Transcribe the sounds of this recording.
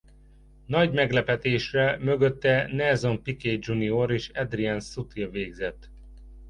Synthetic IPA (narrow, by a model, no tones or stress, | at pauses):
nɒɟmɛɡlɛpɛt̪eːʃrɛmøɡøt̪ːɛnɛzompikeːd͡ʒunioɾeːʃɛd̪riɛnsut̪iveːɡzɛt̪ː